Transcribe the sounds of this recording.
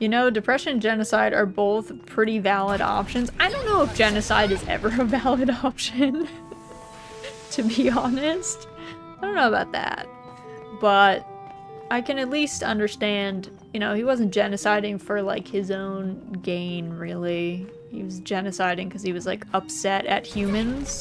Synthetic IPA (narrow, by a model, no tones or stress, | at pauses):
jɨnoʊdɨpʰɹ̥ɛʃɨ̃nd͡ʒɛnɨsaɪɾə̰˞boʊθpʰɹ̥ɪɾivælˠəɾɑ̰pʃɨ̃nzaɪɾõʊ̃nːoʊəfd̥ʒ̥ɛnɨsaɪɾɨzɛ̰və˞ɨvælˠɨɾɑpʃɨ̃n | tʰɨbiɑnɨst | aɪdõʊ̃nːoʊbaʊt̪̚ðæ̰t̚ | b̥ʌt̚ | ʔaɪkɨ̃nɨtˡlistʌ̰̃ndə˞stæ̃nd | jɨñoʊiwʌzɨ̃n̩d̥ʒ̥ɛnɨsaɪɾɪ̃ŋfə˞la̰ɪkhɨzõʊ̃nɡẽɪ̃nɹɪlˠi | hiwʌzd͡ʒɛnɨsaɪɾɪ̃ŋkʰʌz̥iwʌzlaɪkʌpsɛɾɨ̰t̚hjʉmɨ̃nz̥